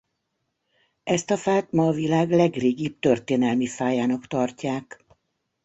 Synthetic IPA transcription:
ɛst̪ɒfaːt̪mɒːvilaːɡlɛɡreːɡiːp̚t̪ørt̪eːnɛlmifaːjaːnɒkt̪ɒrcaːk

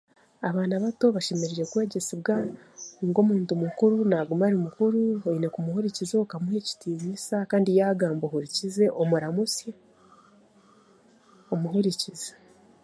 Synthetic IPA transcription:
aβaːnaβato̞βaʃe̞meɾiɾe̞kwe̞ːɟe̞siβɡa | ŋɡo̞muːntumukuɾunaɡumaɾimukuɾuhoine̞kumuhuɾicizo̞kamuhe̞ci̥tiːɲisakaːndijaːɡaːmbohuɾicize̞ʔomuɾamusja | omuɦuɾicize

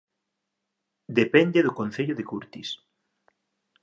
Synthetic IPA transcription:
d̪epɛnd̪eðʊkonθeʎʊðekuɾt̪is

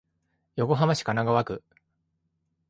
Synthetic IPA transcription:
jo̞ko̞ɦamaɕi̥kanaɡaβakɯ

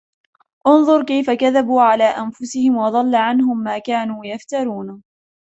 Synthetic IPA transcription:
ʔʊnðˤʊɾkajfakaðabuːʕalaːʔanfʊsɪhɪmwɑd̪ˤɑlːaʕanɦʊmːaːkaːnuːjaft̪ɑɾˤuːn

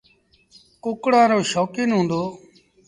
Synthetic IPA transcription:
kʊkɽãːɾoːʃɔːkiːnɦũːnd̪oː

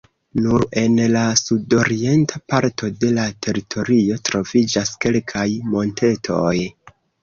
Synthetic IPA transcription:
nuɾe̞nlasudo̞ɾie̞ntʰapaɾtʰo̞de̞latʰe̞ɾitʰo̞ɾio̞tɾo̞vid͡ʒaske̞lkʰajmo̞ntʰe̞tʰo̞j

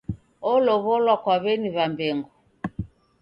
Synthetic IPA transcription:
ɔlɔβɔlwakwaβɛniβambɛŋɡu

